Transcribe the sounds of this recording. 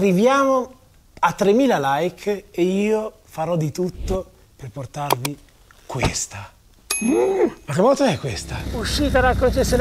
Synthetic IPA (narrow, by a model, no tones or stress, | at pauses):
rːivjaːmo | at̪ːɾemːiːlalajkʰeiːo | faɾɔd̪ːit̪ut̪ːo | perport̪arvi | kwḛst̪a | kakemːɔlt̪oɛkːwest̪auʃːiːt̪aɾakɾot͡ʃese